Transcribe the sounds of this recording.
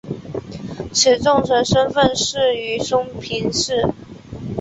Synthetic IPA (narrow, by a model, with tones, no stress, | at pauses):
ʈ͡ʂʰɻ̩˨˩t͡sʊ˥˩ŋʂʰə˧˥nʂə˥nfə˥˧nʂɻ̩˥˩y˧˥ʂʊ˥ŋpʰi˧˥nʂɻ̩˥˩